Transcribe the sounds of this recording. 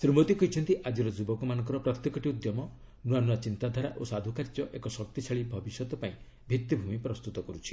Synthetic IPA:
sɾimot̪ikɔɦit͡ʃʰɔnt̪iʔad͡ʒiɾɔd͡ʒubɔkɔmanɔ̃ŋkɔɾɔpɾɔt̪jekɔʈiud̪jɔmɔ | nuanuat͡ʃint̪ad̪ʱaɾaʔosad̪ʱukaɾd͡ʒɔʔekɔsɔk̚t̪it͡ʃʰaɭibʱɔbisjɔt̪ɔpaĩ | bʱit̪ːibʱumipɾɔst̪ut̪ɔkɔɾut͡ʃʰi̥

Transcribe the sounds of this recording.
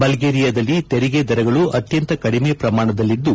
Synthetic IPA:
bɐlɡeːɾijɐd̪ɐlːit̪eɾiɡed̪ɐɾɐɡɐɭuʔɐt̪jɐnt̪ɐkɐɽimeːpɾɐmaːɳɐd̪ɐlːid̪ːu

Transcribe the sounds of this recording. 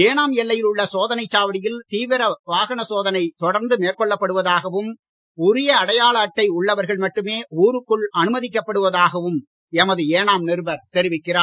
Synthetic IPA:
eːnaːmɛlːɐjɪlʊɭːɐsoːðɐnɐɪt͡ʃːaːʋɐɽɪjɪlt̪iːʋɪɾɐʋaːɣɐɳɐsoːðɐnɐɪt̪ɔɽɐɾnd̪ɯmeːɾkɔɭːɐpːɐɽɯʋɐðaːɣɐʋɯm | ʊɾɪjɐːɽɐjaːɭɐːʈːɐɪʊɭːɐʋɐɾɣɐɭmɐʈːɯmeːuːɾɯkːɯɭɐnɯmɐðɪk̬ːɐpːɐɽɯʋɐðaːɣɐʋɯm | ɛmɐðɯeːnaːmnɪɾɯbɐɾt̪ɛɾɪʋɪkːɪraː

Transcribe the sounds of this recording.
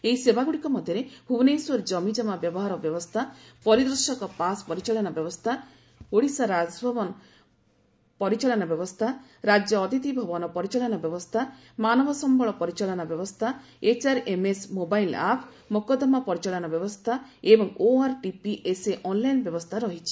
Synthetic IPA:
eisebaɡuɽikɔmɔd̪ʱjɔɾebʱubnejsɔɾd͡ʒɔmid͡ʒɔmabjɔbɔɦaɾɔbjɔbɔst̪ʰapɔɾid̪ɾuʃɔkɔpaspɔɾit͡ʃaɭɔnabjɔbɔst̪ʰa | oɽisaɾad͡ʒbʱɔbɔnɔ | pɔɾit͡ʃalɔnabjɔbɔst̪ʰaɾad͡ʒjɔːt̪it̪ibʱɔbɔnɔpɔɾit͡ʃaɭɔnɔbjɔbɔst̪ʰa | manɔbʱɔsɔmbɔɭɔpɔɾit͡ʃaɭɔnabjɔbɔst̪ʰa | et͡ʃaɾemesmobajla̰pʰ | mokɔd̪ɔmapɔɾit͡ʃaɭɔnɔbjɔbɔst̪ʰaebɔŋoaɾʈipiʔeseʔɔnlajnbjɔbɔst̪ʰaɾɔɦit͡ʃʰi̥

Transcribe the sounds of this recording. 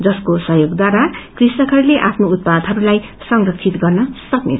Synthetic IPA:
d͡zʌskosʌɦjoɡd̪waɾakrisnʌkʰʌɾileʔapʰnout̪̚pad̪ʱɦʌɾulaj | sʌŋrʌk̚t͡sʰit̪ɡʌrnʌsʌknḛtʰ

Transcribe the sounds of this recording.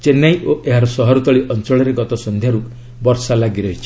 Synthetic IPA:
t͡ʃenajoʔeɦaɾɔsɔɦɔɾut̪ɔɭiʔɔnt͡ʃɔɭɔɾeɡɔt̪ɔsɔnd̪ʱjaɾu | bɔɾsalaɡiɾɔɦit͡ʃʰi̥

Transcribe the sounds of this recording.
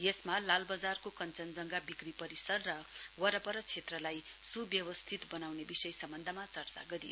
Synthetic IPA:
jesmalalbʌd͡zarkokʌnt͡sʌnd͡zʌŋɡabikripʌɾisʌrːʌwʌɾʌpʌɾʌt͡sʰet̪rʌlaj | subjʌwʌst̪ʰit̪bʌnawnebisʌjsʌmbʌnd̪ʱʌmat͡sʌrt͡sa̰ɡʌɾijo

